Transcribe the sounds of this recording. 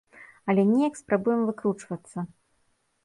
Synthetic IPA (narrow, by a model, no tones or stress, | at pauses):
ɐlʲɛnʲɛjɐkspɾabujɛmvɨkɾut͡ʂvɐt̪sːɐ